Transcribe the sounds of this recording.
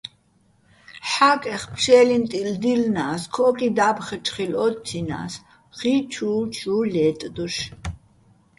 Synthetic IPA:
ħakʼɛχpʰʃɛːlimt̪ʼild̪ilnaːskʰɔkʼid̪abχət͡ʃχilɔt̪ːʰina̰s | χit͡ʃʰuːt͡ʃʰuːlɛːt̪ʼd̪uʃ

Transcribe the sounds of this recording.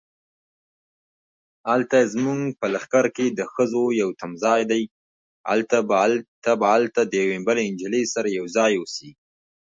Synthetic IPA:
halt̪azmuŋɡpəlaxkaɾked̪əxəzojawt̪amzɑjd̪aj | a̰lt̪abt̪abaalt̪ad̪əjawembaleɪnd͡ʒɪlesaɾajawzɑjusiɡi

